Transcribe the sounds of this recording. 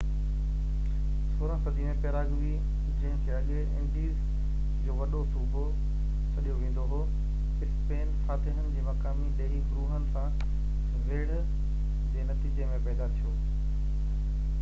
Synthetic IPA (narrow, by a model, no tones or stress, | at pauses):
soːɾãsɐd̪ʱimẽpeɾaːɡʋi | t͡ɕẽːnt̪ʰijaːɠeɪ̰̃ɳʈiːz | d͡ʑoːʋɐɗosuːbʱo | t͡ɕʰɐɗijoʋẽːn̆d̪oɦoː | ɪspeːnfaːt̪ɪɦənɪ̆d͡ʑeːmɐkaːmiɗɐːifɾuːɦənɪ̆sã | ʋeːɽ | d͡ʑeːnɐt̪iːd͡ʑemẽpɛːd̪at̪ʰijoː